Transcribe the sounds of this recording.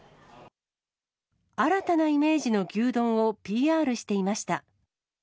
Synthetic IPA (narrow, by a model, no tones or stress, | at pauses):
aɾat̪anaime̞ːʑino̞ɡʲɨːd̪õ̞ɰ̃o̞pʲiːaːɾɯ̟ɕi̥t̪e̞imaɕi̥t̪a